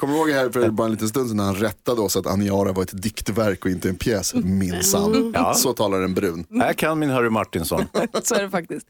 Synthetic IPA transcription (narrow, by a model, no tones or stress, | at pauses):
kʰɔmːəɾhoːɡhæːɾfœɾbɑːɾaɛnliːt̪ənst̪ɵnsnæɾhanɾɛt̪ːad̪əɔsat̪a̰nɪɑːɾavaɾɛt̪d̪ɪkt̪væɾkɔɪnt̪əɛnpʰjɛːsmɪnsa̰m̰ːsɔt̪ʰɑːlaɖɛɛnbɾʉ̟ːnækʰanmɪnɦœɾɪmaʈːɪnsɔ̰nsoæɖɛfak̚t̪ɪst̪